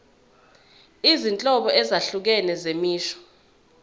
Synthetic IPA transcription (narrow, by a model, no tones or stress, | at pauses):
izint͡ɬʼɔɓɔɛzaɬuk̬ɛnɛzemiːʃɔ̥